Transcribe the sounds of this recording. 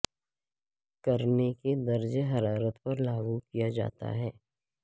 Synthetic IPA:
kɐɾneked̪ɐɾd͡ʒeɦɐɾaːɾət̪pɐɾlaːɡukijad͡ʒa̰ːt̪a̰ɦɛː

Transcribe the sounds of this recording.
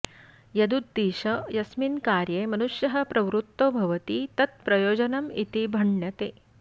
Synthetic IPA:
jɐd̪ud̪̚ːiːɕɐjɐsminkaːɾjemɐnuʂjɐɦɐpɾɐʋɾut̪ːoːbʱɐʋɐt̪iːt̪ɐt̪̚pɾɐjoːd͡ʑɐnɐmḭt̪ibʱɐɳjɐt̪eː

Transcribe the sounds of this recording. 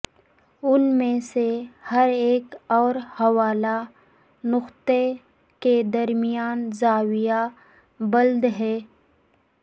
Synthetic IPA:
ʊnmẽsehɐɾeːkɔːɾhɐwaːla | nʊxt̪e | ked̪ɐɾmijaːnzaːwija | bɐld̪ɦɛː

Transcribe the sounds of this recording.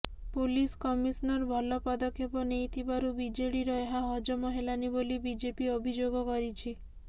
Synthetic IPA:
puliskɔmisnɔɾbʱɔlɔpɔd̪ɔkʰepɔnejt̪ʰibaɾubid͡ʒeɽiɾɔeɦaɦɔd͡ʒɔmɔɦelanibolibid͡ʒepiobʱid͡ʒoɡɔkɔɾit͡ʃʰi

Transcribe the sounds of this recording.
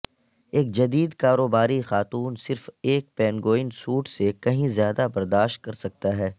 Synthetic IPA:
eːk̚d͡ʒɐd̪iːd̪kaːɾoːbaːɾixaːt̪uːnsɪɾfeːk̚pɛːnɡoːɪ̃nsuːʈsekɐɦĩzjaːd̪abɐɾd̪aːʃt̪̚kɐɾsɐk̚t̪aɦɛː

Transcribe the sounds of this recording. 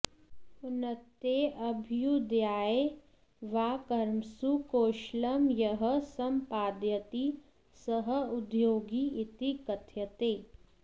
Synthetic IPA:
ʊnət̪eɐbʱjud̪jaːe | ʋaːkɐɾmsukoːʃləmjɐɦə̆sɐmpaːd̪jɐt̪i | sɐɦəʊd̪joːɡiɪt̪ikɐt̪ʰjɐt̪eː

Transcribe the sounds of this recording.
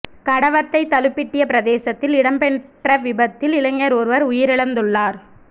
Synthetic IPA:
kɐɽɐʋɐt̪ːɐɪt̪ːɐlɯpːɪʈːɪjɐpɪɾɐðeːsɐt̪ːɪlɪɽɐmbɛɳʈrɐʋɪbɐt̪ːɪlɪlɐŋːɐɾɔɾɯʋɐɾʊjɪɾɪɭɐnd̪ɯɭːaːɾ

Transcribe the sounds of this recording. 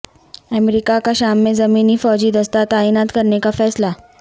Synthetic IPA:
əmɾikakaɕamːezəmiːniːfɔːd͡ʑiːd̪əst̪at̪aiːnat̪kəɾnekafɛːsla

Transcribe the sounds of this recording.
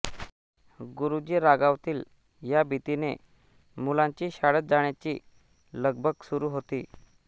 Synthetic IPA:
ɡuɾud͡ʑiːɾaɡaʋt̪iːl | jabʱit̪ine | mulãɲt͡ɕiːɕaɽət̪̚d͡zaɳjat͡ɕi | ləɡbʱəɡsuɾuɦot̪iː

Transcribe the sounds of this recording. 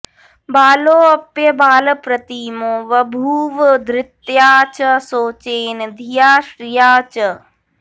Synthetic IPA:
baːloːɐpjɐbaːlɐpɾɐt̪iːmoːʋɐbʱuːʋəd̪ɾɪt̪jaːt͡ʃɐsoːt͡ʃeːnd̪ʱijaːʃɾijaːt͡ʃɐ

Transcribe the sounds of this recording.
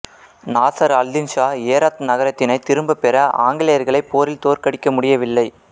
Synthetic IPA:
naːsɐɾɐld̪ɪnʃaːeːɾaːt̪nɐɣɐɾɐt̪ːɪnɐɪt̪ːɪɾɯmbɐpɛɾɐʔa̰ːŋɡɪlɐjɐɾɣɐɭɐɪpːoːɾɪlt̪oːɾkɐɽɪkːɐmʊɽɪjɐʋɪlːɐɪ

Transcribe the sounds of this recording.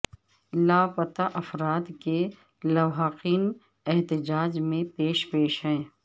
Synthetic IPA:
laːpɐt̪aʔɐfɾaːt̪ke | lɐwɦəqiːn | ɛɦt̪ɪd͡ʒaːd͡ʒmẽpeːʃpeːʃɦɛ̃ː

